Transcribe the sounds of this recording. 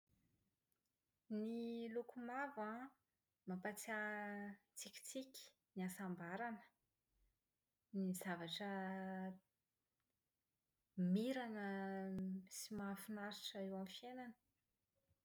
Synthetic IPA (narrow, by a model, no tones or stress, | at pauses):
nilukumavã | mapat͡sia | t͡sikʲi̥t͡sikʲi̥ | niasambaɾanə̥ | nizavaʈ͡ʂə | miɾanə | simafunaɾi̥ʈ͡ʂaewamfjenanə̥